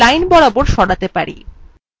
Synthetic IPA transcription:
ajnbɔɽaboɾʃɔɽat̪epaɾḭ

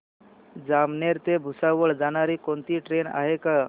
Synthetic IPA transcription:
d͡zamneɾt̪ebʱusaʋəɭd͡zanaɾikont̪iʈɾena̰ɦeka

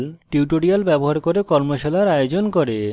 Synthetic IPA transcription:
lʈiwʈoɽialbɛboɦaɾkoɾekɔɾmoʃelaɾajod͡ʑonkoɾe

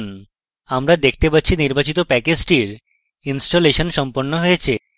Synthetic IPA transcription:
n | amɾad̪ek̚ʰt̪epat̪ːɕʰiniɾbat͡ɕit̪opɛked͡ʑʈiɾ | insʈoleʃonʃɔmpoɾnːoɦojet͡ɕʰe

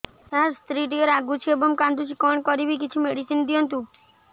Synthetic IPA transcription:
t̪aɾst̪ɾiʈ̬ieɾaɡut͡ʃʰiebɔŋkand̪ut͡ʃʰikɔɳkɔɾibik̬it͡ʃʰumeɽit͡ʃʰind̪iɔnt̪u

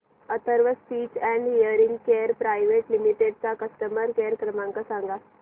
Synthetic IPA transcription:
ət̪əɾʋəspiːt͡ʃɛ̃ɳɖijəɾĩŋɡkeːɾpɾajʋeʈlimiʈeɖt͡sakəsʈəməɾkeɾkɾəmãŋkasãŋɡa

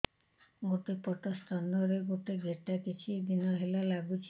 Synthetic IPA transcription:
ɡoʈepɔʈɔst̪ʰanɔɾeɡoʈeɡʱeʈakit͡ʃʰid̪inɔɦelalaɡut͡ʃʰ

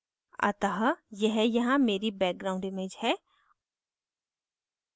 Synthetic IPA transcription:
ɐ̰t̪aɦjɐɦjɐɦãmeːɾibɛːk̚ɡɾaːʊ̃ɳɖɪmẽːd͡ʒhɛː

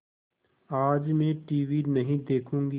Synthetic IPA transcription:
aːd͡ʒmẽʈiːʋinɐɦĩd̪eːkʰũːŋɡi

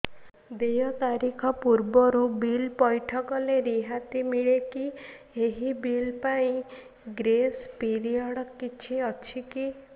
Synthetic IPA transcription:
d̪ejɔt̪aɾikʰɔpuɾbɔɾubilpɔjʈʰɔkɔleɾiɦat̪imiɭeki | eɦibilpaĩ | ɡɾespiɾiɔɽɔkit͡ʃʰiɔt͡ʃʰiki

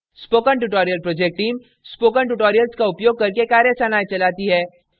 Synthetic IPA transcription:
spoːkəɳʈuʈoːɾijəlpɾoːd͡ʒek̚ʈʈiːm | spoːk̬əɳʈ̬uʈoːɾijəlskaʊpjoːɡ̚kɐɾkekaːɾjəsaːnaːjt͡ʃɐlaːt̪iɦɛː

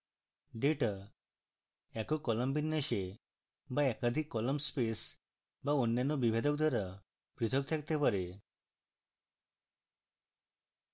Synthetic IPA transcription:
ɖeʈa | ɛkɔkɔlɔmbinːəʃe | baɛkad̪ʱikːɔlɔmspes | baunːjanɔbibʱed̪ɔkd̪aɾa | pɾit̪ʰɔk̚t̪ʰɛkt̪epɔɾe

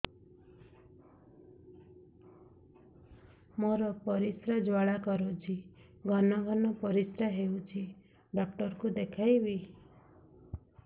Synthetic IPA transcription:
mɔɾɔpɔɾisɾad͡ʒwaɭakɔɾot͡ʃʰi | ɡʱɔnɔɡʱɔnɔpɔɾisɾaɦeut͡ʃʰi | ɖɔk̚ʈɔɾkud̪ekʰajbi

